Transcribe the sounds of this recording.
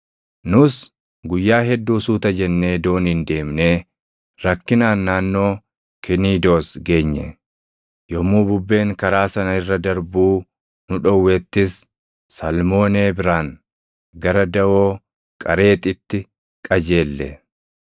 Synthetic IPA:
nʊs | ɡʊjːaːɦɛd̪ːuːsuːt̪ɐd͡ʒɛnːe̞ːd̪o̞ːnɪnd̪e̞ːmne̞ː | ɾɐkːɪnaːnːaːnːo̞ː | kɪniːd̪o̞ːsɡe̞ːɲːɛ̰ | jɔmuːbʊbːe̞ːŋkɐɾaːsɐnɐɪrːɐd̪ɐɾbuː | nʊᶑɔwːeːt̪ːɪs | sɐlmo̞ːneːbɪɾaːŋ | ɡɐɾɐd̪ɐʔoː | kʼɐɾe̞ːt̪ɪt̪ːɪ | kʼɐd͡ʒe̞ːlːɛ

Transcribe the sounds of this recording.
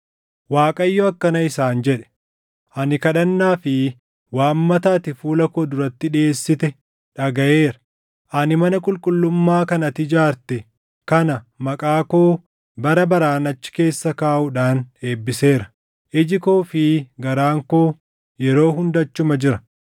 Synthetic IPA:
waːkʼɐjːɔɐkːɐnɐɪsaːnd͡ʒɛᶑɛ̥ | ʔɐnɪkɐᶑɐnːaːfɪ | waːmːɐt̪aːt̪ɪfuːlɐkoːd̪ʊɾɐt̪ːɪᶑe̞ːsːɪt̪ɛ | ᶑɐɡɐʔe̞ːɾɐ̥ | ʔɐnɪmɐnɐkʼʊlkʼʊlːʊmːaːkɐnɐt̪ɪd͡ʒaːɾt̪ɛ | kɐnɐmɐkʼaːkoː | bɐɾɐbɐɾaːnɐt͡ʃːɪ̥ke̞ːsːɐkaːʔʊᶑaːne̞ːbːɪse̞ːɾɐ̥ | ʔɪd͡ʒɪkoːfɪɡɐɾaːŋkoː | jɛɾo̞ːhʊnd̪ɐt͡ʃːʊmɐd͡ʒɪɾɐ̥

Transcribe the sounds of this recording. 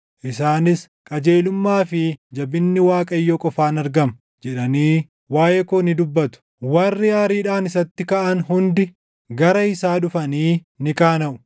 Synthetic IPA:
ʔɪsaːnɪs | kʼɐd͡ʒe̞ːlʊmːaːfɪd͡ʒɐbɪnːɪwaːkʼɐjːokʼɔfaːnɐɾɡɐm | d͡ʒɛᶑɐniː | waːjɛkonɪd̪ʊbːɐt̪ʊ̥ | wɐrːɪaːɾiːᶑaːnɪsɐt̪ːɪkɐʔɐnɦʊnd̪ɪ | ɡɐɾɐɪsaːᶑʊfɐniː | nɪkʼaːnɐʔʊ̥

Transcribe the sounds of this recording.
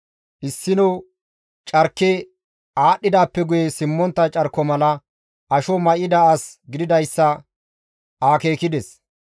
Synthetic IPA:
ʔɪsːɪnɔw | t͡ʃʼɐɾkːɛ | aːɗːɪd̪aːpːɛɡʊjɛsɪmːɔnt̪ːɐt͡ʃʼɐɾkːɔmɐlɐ | ʔɐʃɔmɐʔɪd̪ɐɐsɡɪd̪ɪd̪ɐjsːɐ | ʔaːke̞ːkɪd̪ɛs

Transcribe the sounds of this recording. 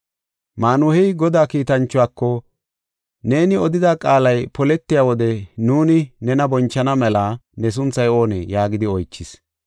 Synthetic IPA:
maːnʊhɛjɡɔd̪aːkiːt̪ɐnt͡ʃːʊaːkːɔ | ne̞ːnɪɔd̪ɪd̪aːkʼaːlɐjpɔlɛt̪ːɪjaːwɔd̪ɛnuːnɪnɛnɐbɔnt͡ʃːɐnɐmɛlɐnɛs̬ʊnt͡sːɐjo̞ːnɛ̰jaːɡɪd̪ɪɔjt͡ʃːɪs

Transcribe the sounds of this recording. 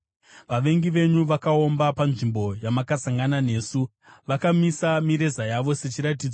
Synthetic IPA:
ʋaʋe̞ŋɡiʋe̞ɲuʋakao̞mbapanʐimbo̞jamakasaŋɡanane̞ːsu | ʋakamisamiɾe̞zajaʋo̞se̞t͡ʃiɾat̬id͡zo

